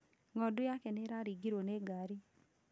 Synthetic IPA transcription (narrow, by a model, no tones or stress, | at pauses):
ŋɔdʊjakɛneɾaɾiɡiɾwoneɡaɾi